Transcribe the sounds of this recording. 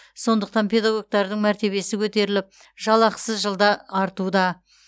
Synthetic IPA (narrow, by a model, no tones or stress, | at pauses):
so̞nd̪əq̚t̪ɑnpʰe̞d̪ɑɡo̞ɡ̚t̪ɑɾd̪əɴmæɾt̪e̞βe̞sɪkʲʰɵt̪e̞ɾɪlɪp̚ | ʒɑlˠɑqsəzʒəlˠd̪ɑːɾt̪ud̪ɑ